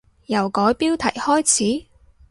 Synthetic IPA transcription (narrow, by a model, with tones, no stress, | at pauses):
jɐ˨˩wkɔː˨˥jpiː˥wt̪ʰɐ̰˨˩jhɔː˥jt͡sʰiː˨˥